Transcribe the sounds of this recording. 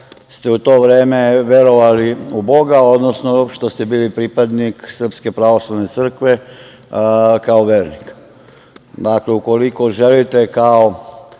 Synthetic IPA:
st̪e̞ut̪o̞ːʋɾeːme̞ʋje̞ɾo̞ʋaliubo̞ɡao̞d̪nosnoʃt̪o̞st̪ebiːlipɾipad̪niksr̩pske̞pɾaʋo̞slˠaʋne̞t̪sr̩kʋe̞ | kaoʋeːɾnik | d̪akle̞uko̞liko̞ʒelit̪e̞kao̞

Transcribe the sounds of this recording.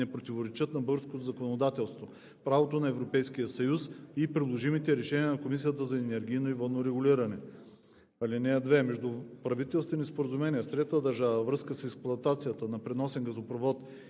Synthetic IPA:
ɛpɾot̪ivoɾɛt͡ʃɤt̪nɐbɤɡɾskot̪ozɐkonod̪at̪ɛlˠst̪vo | pɾavot̪onɐɛvɾopɛjskijəsɐjusipɾid̪lˠoʒimit̪ɛɾɛʃɛnʲiənɐkomisijət̪əzɐɛnɛɾɡ̟ʲijnoivɐnoɾɛɡʊliɾɐnɛ | ɐlinɛɐd̪vɛmɛʒd̪upɾɐvit̪ɛlˠst̪ɛnispoɾəzumɛniəsɾɛd̪əd̪ɐɾʒavəvɾɤskəsɛksplˠʊɐt̪at̪sijət̪ənɐpɾɛnɔsɛnɡɐzopɾovɔt̪

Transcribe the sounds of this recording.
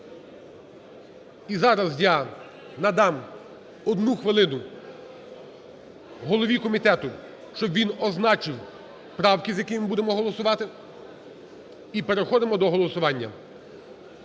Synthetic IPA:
izɑɾɐzjɑ | nɐd̪ɑm | ɔd̪nuxʋɪlˠɪnʊ | ɦɔlˠɔʋʲikɔmʲit̪ɛt̪ʊ | ʃt͡ʃɔbʋʲinɔznɑt͡ʃɪw | pɾɑwkizʲjɐkɪjmbud̪emɔɦɔlˠɔsʊʋɑt̪ɪ | ipeɾexɔd̪ɪmɔd̪ɔɦɔlˠɔsʊʋɑnʲːɐ

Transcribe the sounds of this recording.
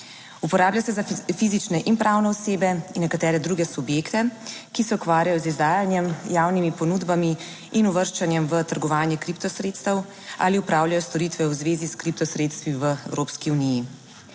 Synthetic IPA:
upɔɾaːbljasɛzafiːzit͡ʃnɛʔinpɾawnɛɔseːbɛinːɛkat̪ɛːɾɛd̪ɾuːɡɛsubjeːkt̪ɛkisɛukʋaːɾjajɔzizd̪aːjanjɛmjaːwnimipɔnuːd̪bami | inuʋəɾʃt͡ʃanjɛmʋət̪əɾɡɔʋaːnjɛkɾipt̪ɔsɾet̪st̪əw | a̰ːliupɾaːwljajɔst̪ɔɾit̪ʋɛwzʋeːziskɾip̚t̪ɔsɾeːt̪st̪ʋiʋəɛ̰wɾoːpskiuniji

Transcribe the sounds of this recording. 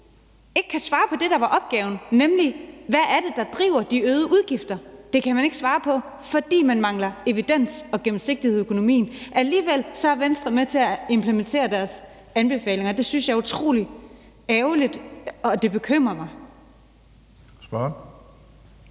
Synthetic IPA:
e̝ɡ̥ə̥kʰæsʋɑ̈ːpʰɒ̽d̥e̝ɾ̥ɑ̈ʋɑ̈ʔɒ̽b̥ɡ̥ɛːʊnnemliʋææɐd̥e̝d̥ɑ̈d̥ʁḭʊɐd̥iøːðˠəʔuð̞ˠɡ̥ifd̥ɐd̥e̝kʰæmæne̝ɡ̥sʋɑ̈ːpʰɒ̽ | fɒ̽d̥ḭːmænmɑ̈ŋlɐe̝ʋid̥en̰sɒ̽ɡ̥em̩se̝ɡ̥d̥iheð̩ˠøkʰo̝no̝mḭːn̩ʔæliːʋel̰sɒ̽æɐʋensd̥ʁɐmet͡sʰe̝æe̝mpʰlement͡sʰe̝̰ːɐd̥æɐs | ænb̥e̝fɛ̰ːle̝ŋɐd̥e̝synsjɑ̈ut͡sʰʁo̝̰ːli | æʊlid̥ɒ̽d̥e̝b̥e̝kʰøm̰ʁɐmɑ̈ɪ | sb̥ɶɐ

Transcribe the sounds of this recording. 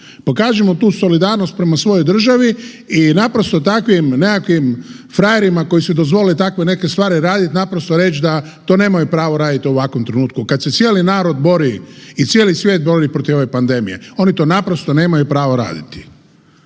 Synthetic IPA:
po̞kaːʒemo̞t̪uːso̞lid̪aːɾnost̪̚pɾe̞masʋo̞jojd̪r̩ʒaʋi | inapɾost̪ot̪akʋimnekakʋim | fɾajeɾimako̞jisud̪ozʋo̞lilit̪akʋe̞ne̞ke̞st̪ʋaːɾiɾaːd̪it̪napɾost̪oɾe̞t͡ʃd̪a | t̪oːne̞ːmajupɾaːʋoɾaːd̪it̪iuʋakʋomt̪ɾenuːt̪̚kukad̪se̞t̪sjeːlinaːɾo̞d̪bo̞ɾiit̪sʲjeːlisʋje̞ːt̪̚bo̞ɾipɾo̞t̪io̞ʋepand̪e̞mḭjeo̞nit̪o̞ːnapɾo̞st̪o̞ne̞ːmajupɾaːʋoɾa̰ːd̪it̪i̥

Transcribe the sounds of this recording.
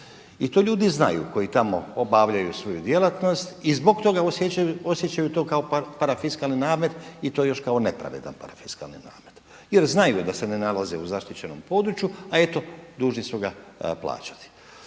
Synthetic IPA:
it̪oːʎuːd̪izna̰jṵko̞jit̪amo̞̰obaʋʎajusʋo̞jud̪je̞lat̪no̞st̪izbo̞ɡt̪o̞ɡaoosje̞t͡ɕajut̪o̞ːkaopaɾafiskalˠninaːme̞d̪it̪ojejo̞ʃkaone̞pɾa̰ʋe̞̰d̪a̰npaɾafiska̰lnina̰ːme̞d̪ | je̞ɾznajud̪ase̞ne̞nalazeuzaʃt̪it͡ɕe̞no̞̰mpo̞ːd̪ɾut͡ɕjuae̞t̪o̞d̪uːʒnisuɡapla̰ːt͡ɕḁt̪i̥

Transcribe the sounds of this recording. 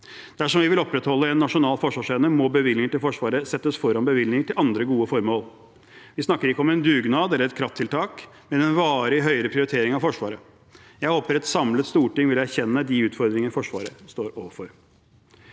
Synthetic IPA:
d̪̥æʂɔmʋɪʋɪlɔpɾɛt̪hɔlːəɛnːɑʂʊnɑːlfɔʂʋɑːʂeːnəmɔbəʋɪlnɪŋəʈɪlfɔʂʋɑːɾəsɛt̪ːəsfɔɾɑnbəʋɪlnɪŋəʈɪlʔɑnd̪ɾəɡuːəfɔɾmoːl | ʋɪsnɑkːəɾɪkːəɔmɛnd̪ʉːɡnɑːd̪ɛlːəɾɛt̪kʰɾɑft̪ʰːɪlt̪ʰɑːk | mɛd̪ɛnʋɑːɾɪɦœʏəɾəpʰɾɪʊɾɪt̪ʰeːɾɪŋɑʋfɔʂʋɑːɾə | jæɪhoːpəɾɛt̪sɑmlət̪st̪uːʈɪŋʋɪlæɾçɛnːəd̪ɪʉːt̪fɔɾd̪ɾɪŋəɾfɔʂʋɑ̰ːɾəst̪oːɾoːʋəfɔɾ

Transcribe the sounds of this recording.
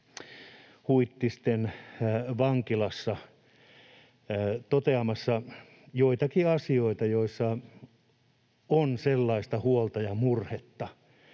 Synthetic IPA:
huit̪ːist̪en | ʋɑŋkilɑsːɑ | t̪ot̪eɑmɑsːɑ | joit̪ɑkiɑsioit̪ɑjoisːɑ | onselːɑist̪ɑhuolt̪ɑjɑmurhet̪ːɑ

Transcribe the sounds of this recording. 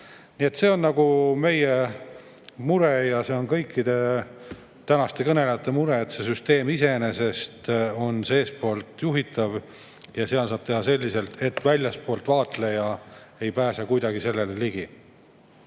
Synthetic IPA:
nie̞t̪se̞ːo̞nnɑɡ̥ume̞je | muɾejɑse̞o̞nkɤjkːid̪e̞ | t̪ænɑst̪ekɤne̞lejɑt̪ːˑe̞muɾeet̪se̞syst̪e̞ːmise̞ne̞se̞st̪o̞nseːspo̞ːlt̪juɦit̪ːˑɑv | jɑseɑlsɑːb̥̚t̪e̞ɦɑse̞lʲːise̞lt̪e̞t̪ːˑvælʲjɑspo̞ːlt̪vɑːt̪le̞jɑe̞jpæːsɑkujd̪ɑɡise̞lːe̞leliɡ̥i

